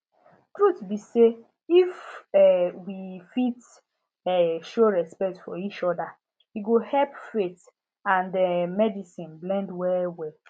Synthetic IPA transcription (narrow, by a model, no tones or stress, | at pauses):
tɹutbise | ifɛwifit | ɛʃoɹɛspɛk̚tfɔit͡ʃɔda | iɡohɛlpfet | ãndɛmɛdisĩnblɛ̃ndwɛwɛ